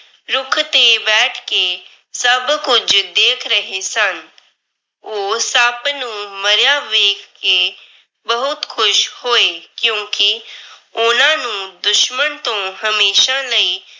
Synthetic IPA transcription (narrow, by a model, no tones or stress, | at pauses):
ɾʊkʰt̪ebɛːʈʰke | səbkʊd͡ʒd̪eːkʰɾəɦesən | oːsəbnũːməɾjaʋeːkʰːe | bəɦʊt̪kʰʊʃhoːeːkjõːkiʊnãːnũːd̪ʊʃmənt̪õɦəmeːʃaləiː